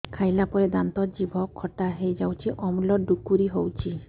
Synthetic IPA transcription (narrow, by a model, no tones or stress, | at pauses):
kʰajlapɔɾed̪ant̪ɔd͡ʒibʱɔkʰːɔʈaɦejd͡ʒawt͡ʃʰiʔɔmlɔɖukuɾiɦowt͡ʃʰi